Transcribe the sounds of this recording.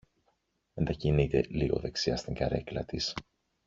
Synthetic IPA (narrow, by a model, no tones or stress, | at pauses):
e̞nd̪ɐcinit̪e̞liɣo̞̰ðe̞ksiɐst̪iŋɡɐɾe̞̰klɐ̰t̪is